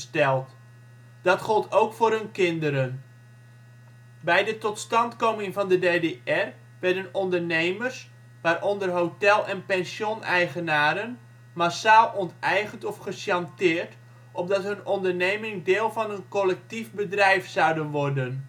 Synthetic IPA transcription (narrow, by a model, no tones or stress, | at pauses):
stɛlˠt | d̥ɑtχɔlˠtʰowkfʊːrɦɵnkɪndəɾən | bɛjdətɔtstɑntkomɪŋvɑndədeːdeɛr | ʋɛɹdənɔndərnejmərs | ʋaːɾʔɔndərɦotɛlˠɛnpɛnsjonɛjχənaːɾən | masaːlˠʔɔntɛjχəntɔfχəʃjɑntɪːrt | ʔɔb̚dɑtɦɵnɔndərnejmɪŋdeːlˠvɑnənkɔlɛk̚tifbədrɛjfsɑwdənʋɔrdən